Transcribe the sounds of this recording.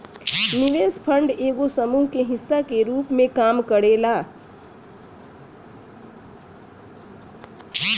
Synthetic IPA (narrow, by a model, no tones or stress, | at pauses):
niʋespʰəɳɖeːɡosəmuɦkeɦɪsːakeɾupmẽkamkəɽela